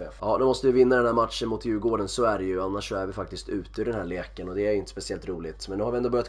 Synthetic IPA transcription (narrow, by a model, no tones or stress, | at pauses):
jɑːnʉmɔst̪əvɪvɪnːad̪ɛnhæːɾmat̪ʂənmʊt̪ʰjʉɡoːɖənsɔæɖɛjɵanːaʂːɔæɾvɪfak̚t̪ɪst̪ʰʉ̟ːt̪əʉːɖ̪ɛnhæɭeːkənɔd̪ɛæɾjʏɪnt̪ə̥spɛsɪɛlt̪ɾuːlɪɡt̪mɛnːʉhaɾɪɛnd̪oːbœɾjat̪